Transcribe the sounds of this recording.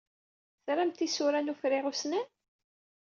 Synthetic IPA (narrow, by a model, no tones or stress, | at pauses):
θɾæmt̪isuɾænufɾɪʁusnæn